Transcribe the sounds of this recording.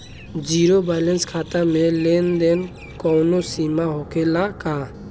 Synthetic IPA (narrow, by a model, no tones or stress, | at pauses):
d͡ʒiːɾobɛlənskʰaːt̪amelend̪en | kɔwnosimaɦokelaka